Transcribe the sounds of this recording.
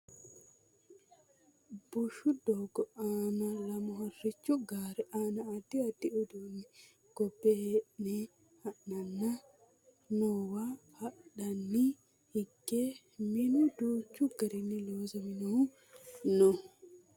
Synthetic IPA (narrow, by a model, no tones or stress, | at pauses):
b̥ʊʃʊd̪oːɡɔaːnɐlɐmɔhɐrːɪt͡ʃːʊɡaːɾɛʔaːnɐɐd̪ːɪɐd̪ːɪʊd̪unːɪ | ɡ̥ɔbːɛeʔne | hɐʔnɐnːɐ | noːwahɐɗɐnːɪ | hɪɡːe | mɪnʊd̪uːt͡ʃːʊɡɐɾɪnːɪloːzɐmɪnɔhʊ | nɔ